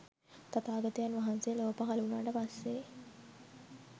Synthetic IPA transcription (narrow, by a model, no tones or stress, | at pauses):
t̪at̪aːɡət̪ijanʋaɦansejəloːpakalunaːʈəpasːe